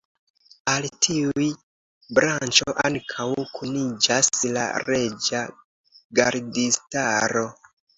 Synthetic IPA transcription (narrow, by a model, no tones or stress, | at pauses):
altʰiuj | bɾant͡ʃoʔaŋkʰawkʰunid͡ʒasla̰ɾe̞d͡ʒa | ɡaɾdistaɾo̞